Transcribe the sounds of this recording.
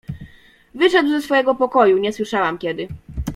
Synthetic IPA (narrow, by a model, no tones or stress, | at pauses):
vɘʂɛd̪wzɛsfɔjɛɡɔpɔkɔjuɲɛswɘʂawamkʲɛd̪ɘ